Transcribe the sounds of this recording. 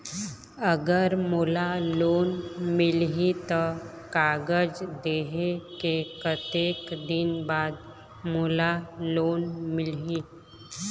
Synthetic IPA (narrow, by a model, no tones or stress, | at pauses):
əɡəɾmoːlaloːnmɪlɦit̪ɔ | kaːɡəd͡ʒd̪eːɦekekət̪eːkd̪ɪnbaːd̪̚ | moːlaloːnmɪlɦi